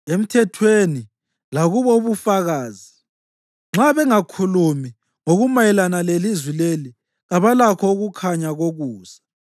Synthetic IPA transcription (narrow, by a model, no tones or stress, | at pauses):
em̩tʰɛtʰweni | laɣuβouβufaɣaːzi | ŋ͡ǁaβɛŋakʰulumi | ŋoɣumajɛlanalelizwileli | ɣaβalakʰɔuɣukʰaɲaɣoɣuːza